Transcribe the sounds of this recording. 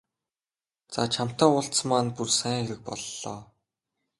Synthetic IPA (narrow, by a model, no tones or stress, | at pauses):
t͡sa̰t͡ɕʰam̥t̪ɔːʊɬt͡st͡smaːnpursæːŋxeɾɘ̆k̚pɔ̰ɮːɔ̰ː